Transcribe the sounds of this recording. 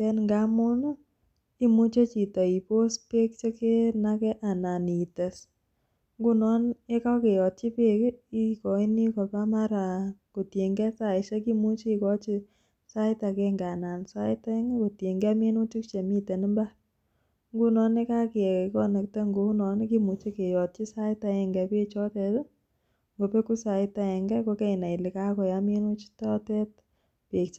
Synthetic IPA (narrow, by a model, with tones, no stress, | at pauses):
ɛ˦nŋɡa˦mʊ˦nu˦ | i˦mu˦t͡ʃe˦t͡ʃi˨ta˨i˨po˦spe˦k̚t͡ʃe˦ke˦na˧kɛ˦ʔa˨na˨ni˨te˨s | ŋɡu˦nɔ˦ne˦ka˦ke˨jɔ˨t̚t͡ʃi˦pe˦ki˦kɔ˨i˦ni˦kɔ˨pa˦ma˦ɾa˨ko˨tje˨ŋɡɛ˦sa˦˨ɪ˨ʃe˦ki˦mu˦t͡ʃi˦i˨kɔ˦t͡ʃi˦ | sa˦ɪ˦ta˨ke˧ŋɡa˨na˨nsa˦ɪ˦ta˦ɛ˦ŋe˦ko˨tje˨ŋɡɛ˦mi˦nu˦t͡ʃi˦kt͡ʃe˨mi˦te˨ni˦mba˦ | ŋɡu˦nɔ˨˦ne˦ka˦ki˨ɛ˨kɔ˦nɛ˨kte˦ŋɡu˦nɔ˨ne˦ki˦mu˧t͡ʃi˦ke˨jɔ˨t̚t͡ʃi˦sa˦ɪ˦ta˧ɛ˨ŋɡɛ˨ke˦t͡ʃɔ˦tɛ˧t | ŋɡo˨pe˦ku˦sa˨ɪ˦ta˧ɛ˨ŋɡɛ˦ko˧ke˦ɪ˨na˨ɪ˨li˨ka˦kɔ˨ja˨mi˦nu˦t͡ʃi̥˦tɔ˦tɛ˦t̚ | pe˨kt͡ʃi